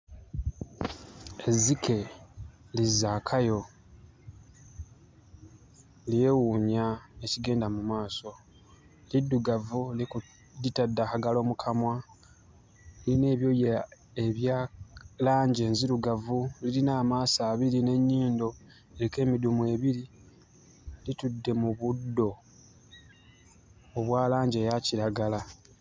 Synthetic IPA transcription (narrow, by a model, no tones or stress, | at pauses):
e̞zikʰe̞ | lizaːkʰajo̞ | lije̞wuːɲae̞ciɡe̞ːndamumaːso̞ | lidːuɡavuliku | ditadːahaɡalo̞ːmukʰamwa | line̞ːβjo̞ja | eβjaːlaːɲɟe̞ːnziɾuɡavulilinaːmaːsaːβiline̞ɲːiːndo̞ | eɾike̞ːmidumwe̞ːβiɾi | litudːe̞muβudːo̞ | oβwaːlaːɲɟe̞ːjaciɾaɡala